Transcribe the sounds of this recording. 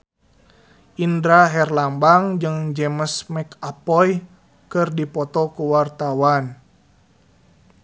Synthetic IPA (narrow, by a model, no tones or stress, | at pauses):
ʔindɾaɦɛrlambaŋd͡ʒɨŋd͡ʒɛməsmɛkapɔj | kɨrdipɔt̪ɔkuwart̪awan